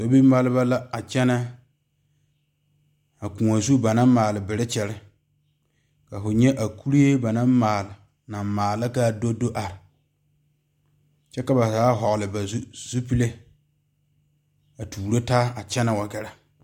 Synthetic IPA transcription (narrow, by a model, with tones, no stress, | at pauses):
so˦bi˦ma˦lɪ˦ba˦la˦a˨t͡ʃɛ˦na˦ | a˨ku˨ŋa˨zu˦ba˨na˦m˦maː˨lɪ˨bɪ˨ɾɪ˦t͡ʃɛ˨lɪ˦ | ka˨fʊ˨ɲɛ˦ʔa˨kʰu˦ɾi˦e˦ba˨na˦mmaː˨lɪ˨ | na˨mmaː˨la˦ka˦˨do˦do˦ʔa˨ɾɪ˨ | t͡ʃɛ˦ka˨ba˨zaː˨˦ɦɔ˨ɡlɨ˨ba˨˦zu˦pi˦le˦ | a˨tuː˨ɾo˦ta˦a˨t͡ʃɛ˦na˨wa˨ɡɛ˨ɾa˨